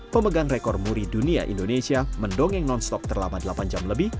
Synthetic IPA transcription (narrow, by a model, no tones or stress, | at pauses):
pəməɡaŋrekɔrmuɾidunia̰ʔḭndonesiaməndoŋɪŋnɔnst̪ɔp̚t̪ərlamadəlapand͡ʒamləbɪh